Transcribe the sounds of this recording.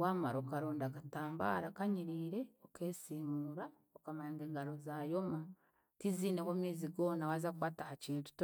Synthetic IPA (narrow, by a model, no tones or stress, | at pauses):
waːmaɾokaɾoːndakataːmba̰ːɾakaɲiɾiːɾe̞oke̞ːsiːmuɾa | okamaɾaːŋɡeːŋɡaɾo̞zaːjo̞ma | tiziːnewoːmiːziɡo̞ːnawazakwaːtahaciːntu̥t